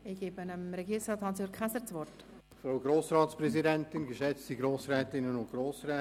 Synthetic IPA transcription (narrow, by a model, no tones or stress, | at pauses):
ɪɡ̥eːbənəmɾɛɡiːɾɪŋsɑːthɑnsjøːɾkχæsəɾt͡sʋɔrt | fɾowɡɾoːsɾɑːtspɾɛzidɛntɪnɡəʃɛt͡stiɡɾoːsɾɛːtɪnənʊntɡ̥ɾoːsrɛː